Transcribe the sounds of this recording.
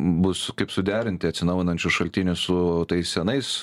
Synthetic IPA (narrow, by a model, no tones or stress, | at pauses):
bʊskɐɪpsʊd̪ʲæːɾʲɪnʲt̪ʲɪɐt̪ʲsʲɪnɐʊjʲɪnɐnʲt͡ʃʲʊʃɐlʲt̪ʲɪnʲʊssʊt̪ɐɪssʲɛnɐɪs